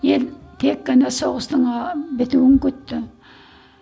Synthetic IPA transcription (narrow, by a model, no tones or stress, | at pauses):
je̞lt̪ʰekːɑnɑsoʁəst̪ˠəɴɑbɪt̪uwɪŋkʲɵt̪ːɪ